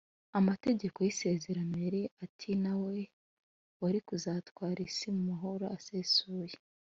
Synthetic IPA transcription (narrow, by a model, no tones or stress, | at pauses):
amate̞ɟe̞ko̞jise̞ze̞ɾameɾiatʰinawe̞ | waɾikuzaːtkwaːɾisimumaɦo̞ɾo̞ase̞ːsuːje̥